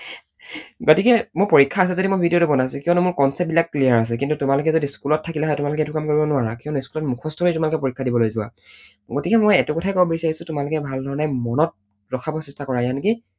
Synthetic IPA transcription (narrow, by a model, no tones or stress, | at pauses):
ɡotikɛmʊɹpoɹikʰːaːs̬ɛzodimojbʱidijotubɔnasʊ̃kiɔnɛmʊɹkɔnsɛp̚bilakːlijaɹas̬ɛk̬intutʊmalʊkɛzodiskulɔtʰːakilɛɦɔjtʊmalʊkɛɛtukamkoɹibɔnʊwaɹakiɔnʊskulɔtmukʰɔstʰɔnijtʊmalʊkɛpoɹikʰːadibɔlojzʊwa̰ | ɡotikɛmojɛtukɔtʰajkɔbɔbobisaɹisʊtʊmalʊkɛbʱaldʱɔɹɔnɛmɔnɔt̚ | ɹɔkʰabɔsɛstakɔɹajanki